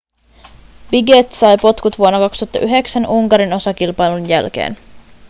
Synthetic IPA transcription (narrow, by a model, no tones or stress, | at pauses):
biɡet̪sɑjpo̞t̪kut̪ʋuonːɑkɑkst̪uɑt̪ːɑʔyɦe̞ksænʔuŋkɑɾino̞sɑk̟ilpɑjlunjælk̟ḛːn